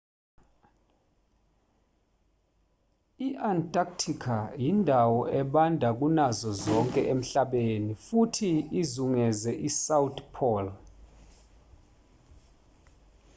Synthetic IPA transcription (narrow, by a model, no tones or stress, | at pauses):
iʔantʼak̚tʰikʰajindʱawɔʔɛɓandʱak̬unazɔzɔŋkʼɛʔem̩ɬaɓenifutʰiːzuŋɛzɛʔisawutpʰɔl